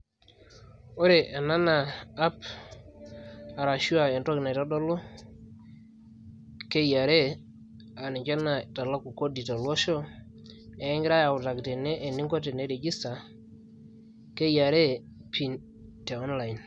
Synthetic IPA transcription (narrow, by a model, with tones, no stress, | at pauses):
o˦ɾe˨ʔa˨na˦na˨a˦p | a˨ɾa˨ʃu˦a˨e˨ntɔ˦kna˨ta˦dɔ˦lɔ˦ | ke˦ja˨ɾe˦ | a˨ni˨kɛ˦na˨ta˨la˦ku˨ko˦di˨ta˨lwɔ˦ʃɔ˦ | ɛ˨˦i˦ŋɡɾa˦ja˨ʊ˨ta˨kte˨nɛ˦ʔːni˦ŋɡɔ˦te˨ne˦ɾe˨ɡi˦sta˨ | ke˦ja˨ɾe˦ | pʰi˨n | te˨ɔ˦nla˨jn